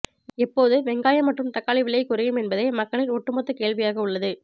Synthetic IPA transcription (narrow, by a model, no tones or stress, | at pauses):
ɛpːoːðɯʋɛŋɡaːjɐmɐʈrɯmt̪ɐkːaːɭɪʋɪɭːɐɪkːʊɾɐjɯmɛnbɐðɐɪmɐkːɐɭɪlɔʈːɯmɐt̪ːɯkeːɭʋɪjaːɣɐʊɭːɐðɯ